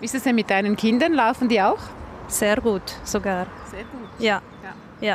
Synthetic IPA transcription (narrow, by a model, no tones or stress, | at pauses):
v̥istuːsdeːmɪt̚d̥aɪnənkʰɪndɐnlaʊfn̩diːaʊxz̥eːʁɡuːtz̥oɡaːʁ | z̥eːɐɡ̥uːtjaː | ja | jaː